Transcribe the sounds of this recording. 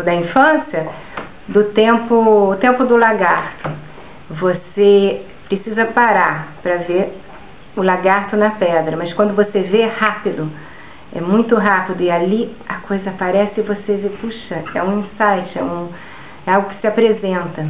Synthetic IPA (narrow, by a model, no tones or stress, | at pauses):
d̪ɐĩfɐ̃siɐ | d̪ʊt̪ẽmpʊʊt̪ẽmpʊd̪ʊlaɡaɾt̪ʊ | vose | pɾesizɐpaɾaɾpɾɐveɾ | ʊlaɡaɾt̪ʊnɐpɛd̪ɾɐmɐskwɐ̃nd̪ʊvosevehapid̪ʊ | ɛ̰mũj̃t̪ʊɦapid̪ʊɪaliɐkojzɐapaɾɛsɪɪvosevepuʃɐɛũĩsajt͡ʃɪɛ̰ũ | ɛawɡʊkɪ̥sɪapɾezẽnt̪ɐ